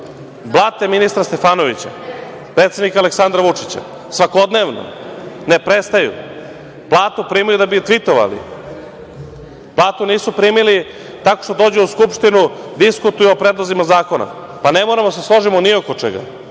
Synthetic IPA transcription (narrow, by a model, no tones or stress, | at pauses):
blˠaːt̪eminist̪ɾast̪e̞faːno̞ʋit͡ɕa̰ | pɾeːt̪se̞d̪nikaleksand̪ɾaʋut͡ʂit͡ɕa̰ | sʋako̞d̪ne̞ʋno̰nepɾest̪ajṵ | plˠaːt̪upɾiːmijud̪abit̪ʋit̪o̞ʋa̰lḭ | plˠaːt̪uniːsupɾiːmili | t̪ako̞̥ʃt̪od̪oːd͡ʑeuskupʃt̪inud̪iskut̪ujuopɾed̪lˠozimazaːko̞na̰ | pane̞moɾamod̪aseslˠo̞ʒimoniokot͡ʂḛɡa̰